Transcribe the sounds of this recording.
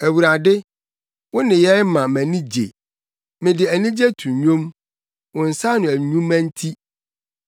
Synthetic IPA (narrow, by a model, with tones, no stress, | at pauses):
æ˨wu˨ɾa˨dɪ˦ | wʊ̃˦nɪ̃˨jɛ˦mã˨mæ̃˨nĩ˦d͡ʑḛ˨ | mɪ̃˨dɪ˨æ˨nĩ˦d͡ʑe˦tʰũ˨˦ɲõ˦m | wʊ̃˨n̩˨sa˦nʊ̃˨æ˨ɲũ˦mæ̃˦n̩˦tʰi˦